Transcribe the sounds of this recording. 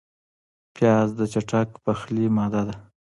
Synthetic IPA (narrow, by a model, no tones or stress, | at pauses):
pʰjɑzd̪ət͡ʃaʈakpaxlimɑd̪ad̪a